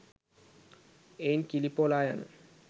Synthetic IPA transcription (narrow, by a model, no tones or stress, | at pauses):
ejnkilipolajan